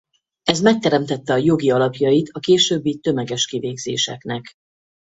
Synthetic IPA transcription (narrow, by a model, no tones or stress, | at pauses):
ɛzmɛk̚t̪ɛɾɛmt̪ɛt̪ːɛɒjo̞ɡiɒlɒpjɒjit̪ʰɒkeːʃøːbːit̪ø̞mɛɡɛʃkiveːɡzḛːʃɛ̰knɛk